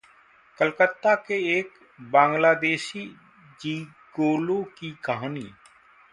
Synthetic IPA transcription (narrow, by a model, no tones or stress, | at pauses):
kəlkət̪ːakeeːk | bãːŋɡlaːd̪eːʃi | d͡ʒiː | ɡoːlokikəɦaːniː